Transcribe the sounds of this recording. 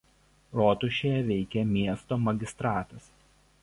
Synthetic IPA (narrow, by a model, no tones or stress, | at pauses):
ɾoːt̪ʊʃʲejɛʋʲɛɪkʲɛmʲiɛst̪oːmɐɡʲɪst̪ɾɑːt̪ɐs